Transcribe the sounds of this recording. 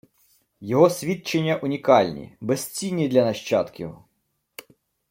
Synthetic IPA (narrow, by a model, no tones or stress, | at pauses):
jɔɦɔsʲʋʲit̪̚t͡ʃenʲːɐʔʊnʲikɑlʲnʲḭbɛst͡sʲinʲːid̪lʲɐnɐʃt͡ʃɑt̪kʲjɔɦɔ